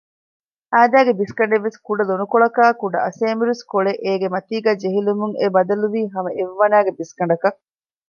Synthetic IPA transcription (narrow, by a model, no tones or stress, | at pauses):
æːd̪æːɡebiskɐɳ̆ɖeʋːeskuɖɐlonukoɭɐkaːkuɖɐɐseːmiɾeskoɭeʔeːɡemɐt̪iːɡæːd͡ʒeɦilumuŋebɐd̪ɐluʋiːɦɐmɐʔeʋːɐnæːɡebiskɐɳɖɐkɐ